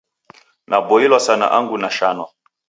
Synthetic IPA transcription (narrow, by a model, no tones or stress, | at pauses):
nʔabɔilwasana̰ʔaŋɡunaʃanwa